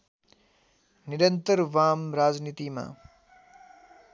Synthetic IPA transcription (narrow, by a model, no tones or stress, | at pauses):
niɾənt̪əɾʋaːmɾaːd͡ʒniːt̪ima̰ː